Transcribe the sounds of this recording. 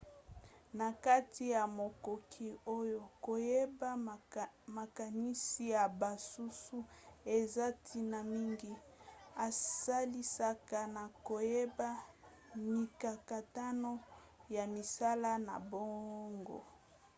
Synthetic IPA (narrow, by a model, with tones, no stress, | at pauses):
na˨ka˦ti˦ja˨mo˨ko˨kʰi˦o˦jo˦ko˨je˦ba˦ | ma˨ka˨ni˦si˦ja˨ba˨su˦su˦e˨za˦tʰi˦na˨mi˦ŋɡi˦ | a˨sa˦li˦sa˦ka˨na˨ko˨je˦ba˦ | mi˨ka˨ka˨ta˦no˦ | ja˨mi˨sa˦la˦na̰˨bo˦ŋɡo̰˨